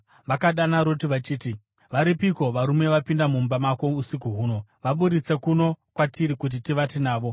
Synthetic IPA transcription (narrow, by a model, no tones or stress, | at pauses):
ʋakaɗanaɾo̞tiʋat͡ʃiːti | ʋaɾipiko̞ʋaɾume̞ʋapindamumbamako̞usikuɦuːno̞ʋaɓuɗit͡se̞kuno̞kwatiɾikut̬itiʋatinaːʋo̞